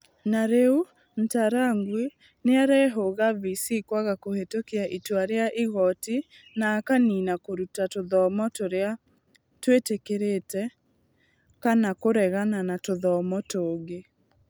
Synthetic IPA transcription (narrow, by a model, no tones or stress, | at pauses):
naɾeu | n̩taɾaŋɡwe | neaɾɛɦoɣavisikwaɣakohetokeaʔitwaɾeaʔiɣɔti | naːkaninakoɾutatoðɔmɔtoɾea | twetekeɾetɛ | kanakoɾɛɣananatoðɔmɔtoːɡe